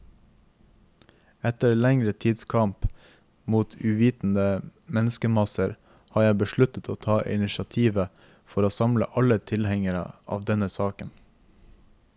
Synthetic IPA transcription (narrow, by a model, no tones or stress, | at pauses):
ɛt̪əɾlɛŋɾət̪ʰiːd̪skʰɑmp | muːt̪ʰʉːʋiːt̪n̩əmɛnəskəmɑsəɾ | hɑːjæɪbəʃɭʉt̪ət̪ʰoːt̪ʰɑːʔɪ̰nɪʃɑt̪ʰiːʋə | fɔɾoːsɑmlə̰ʔɑlət̪ʰɪlhɛŋəɾə̰ʔɑ̰ːʋd̪ɛnəsɑːkən